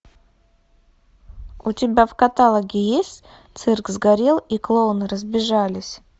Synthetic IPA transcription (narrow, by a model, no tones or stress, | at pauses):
ut̪ʲɪbʲavkat̪alˠəɡʲɪjesʲtʲ | t̪sɨrkzɡaɾʲelˠiklˠonɨɾəzbʲɪʐalʲɪsʲ